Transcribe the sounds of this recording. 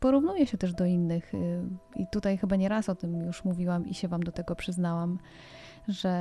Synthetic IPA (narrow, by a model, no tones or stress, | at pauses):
pɔɾuvnujɛɕɛt̪ɛʐd̪ɔinːɘxḭt̪ut̪ajxɘbaɲɛɾasɔt̪ɘmjuʂmuvʲiwamḭɕɛvamd̪ɔt̪ɛɡɔpʂɘznawam | ʐɛ